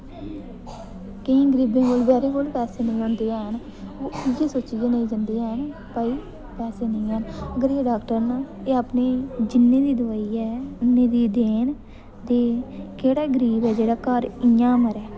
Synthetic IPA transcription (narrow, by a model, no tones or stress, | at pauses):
kəĩːɡəɾiːbẽːkoːlbɛːɾeːkoːlpɛːseːnəĩond̪eːɛːən | oːid͡ʒeːsoːt͡ʃiːd͡ʒeːnəĩːd͡ʒənd̪eːɛːən | pəiː | pɛːseːnəĩːɦənəɡəɾeːɖaːkʈəɾnaːeːəːpneːd͡ʒɪnːẽːd̪iːd̪ʊʋaːiːɛːʊnːẽːd̪iːd̪eːn | d̪eːkeːɽaːɡəɾiːbɛːd͡ʒeːɽaːkəɾɪjãːməɾɛː